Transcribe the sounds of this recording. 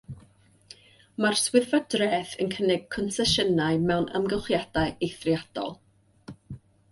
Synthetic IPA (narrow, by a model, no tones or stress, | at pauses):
marswɪðvadrɛːθənkʰənɪɡ̥̚kʰɔnsɛʃənaɨmɛwnə̰mɡəχjad̥aɨejθrjad̥ɔ̰lˠ